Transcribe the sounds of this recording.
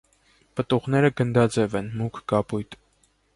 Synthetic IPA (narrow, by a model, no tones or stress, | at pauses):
pət̪uʁnɛɾəɡənd̪ɑd͡zɛvɛnmukʰɡɑpujt̪